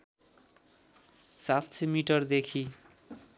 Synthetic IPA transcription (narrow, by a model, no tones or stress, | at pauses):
sat̪semiʈʌrd̪ekʰi